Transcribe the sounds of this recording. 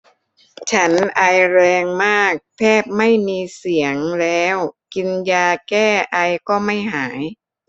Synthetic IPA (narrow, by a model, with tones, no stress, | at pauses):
t͡ɕʰa˦˥nʔa˧jɾɛː˧ŋmaː˥˩k̚t̪ʰɛː˥˩p̚ma˥˩jmiː˧si˩˦əŋlɛː˦˥wki˧njaː˧kɛː˥˩ʔa˧jkɔː˥˩ma˥˩jɦaː˩˦j